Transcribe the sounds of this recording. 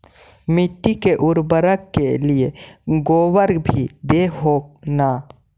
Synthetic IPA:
mɪʈːikeʔʊɾbəɾəkːelieɡoːwəɾbʱid̪eɦoːna

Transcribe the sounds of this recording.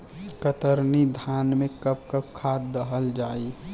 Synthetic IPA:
kət̪əɾnid̪ʱaːnmẽkəp̚kəp̚kʰaːt̪̚ːəɦəld͡ʒaːi

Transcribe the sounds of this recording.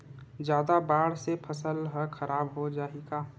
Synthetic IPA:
d͡ʒjaːd̪abaːɽ̤sepʰəsəlɦəkʰəɾʔaːbɦod͡ʒaːiɡaː

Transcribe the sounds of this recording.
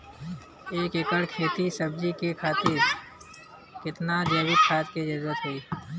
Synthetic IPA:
eːkekəɽkʰeːt̪isəb̚d͡ʒikekʰaːt̪ɪɾ | kɪt̪nad͡ʒeːwɪt̪kʰaːt͡ʃked͡ʒɐɾuːɾət̪ɦʊiː

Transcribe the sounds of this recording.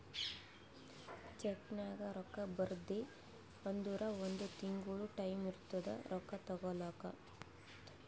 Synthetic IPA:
t͡ʃeknaːɡɐɾɔkːɐbɐɾd̪e | ɐnd̪uːɾɐond̪ut̪iŋɡuɭuʈɐjmiɾut̪ːɐd̪ɐ̰ɾʔɔkːɐt̪ɐɡɔlaːkɐ̰

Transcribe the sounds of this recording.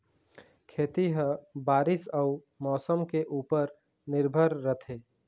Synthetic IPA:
kʰeːt̪iɦə̃baːɾɪsəʊ | mɔːsəmkeʔuːpəɾ | nɪɾbʱəɾːət̪ʰeː

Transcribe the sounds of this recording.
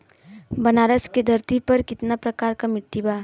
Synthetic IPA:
bɐnaːɾəsked̪ʱɐɾt̪ipɐɾkɪt̪napɾɐkaːɾkamɪʈːibaː

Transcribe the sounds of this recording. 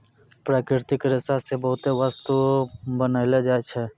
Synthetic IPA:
pɾaːkɾɪɾt̪ɪkɾɪsasebəɦʊt̪eʋast̪ubənaɪled͡ʒaːet͡ʃʰɛː

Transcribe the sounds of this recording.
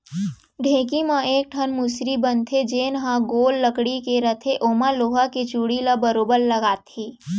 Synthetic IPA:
ɖʱẽːkimãeːk̚ʈʰənmusɾibənt̪ʰed͡ʒeːnɦãɡoːlːəkɽikeɾət̪ʰeʔoːmaloːɦaket͡ʃuːɽilabəɾoːbəɾləɡaːt̪ʰiː

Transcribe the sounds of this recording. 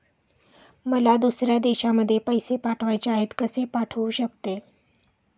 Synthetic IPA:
məlad̪usɾjad̪eɕaməd̪ʱːjepəjsepaʈʰʋajt͡ɕaet̪kəsepaʈʰəuɕəkt̪e

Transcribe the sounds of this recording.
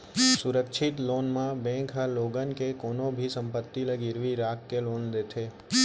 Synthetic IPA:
suɾəkʃʰit̪lonmãbɛ̃ŋkʰɦaloɡənkekonobʱisəmpət̪ːiləɡiɾʋiɾakːelond̪et̪ʰe

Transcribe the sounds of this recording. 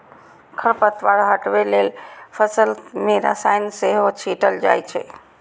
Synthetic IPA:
kʰəɾpət̪ʋaɾɦəʈbelelpʰəsəlmeɾa̰sajnseɦot͡ʃʰiʈəld͡ʒa̰jt͡ʃʰɛ̰

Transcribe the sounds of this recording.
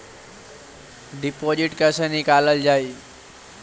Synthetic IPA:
ɖipod͡ʒiʈkəsənikaləld͡ʒai

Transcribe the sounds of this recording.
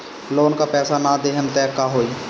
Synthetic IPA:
loːnkapɛːsanad̪eːɦənt̪ɛːkːaɦoːi

